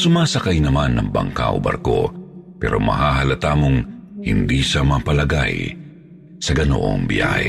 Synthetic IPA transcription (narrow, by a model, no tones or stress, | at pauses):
sʊmaːsɐkajnɐmanːɐŋbɐ̰ŋka̰ʔo̰bɐ̰ɾko̞̰pɛ̰ːɾo̞mɐ̰ɦaːɦɐlɐt̪aːmoŋhɪnd̪iːsɐmɐpɐlɐɡa̰j | sɐɡɐno̰ʔo̰ŋbɪjʔa̰h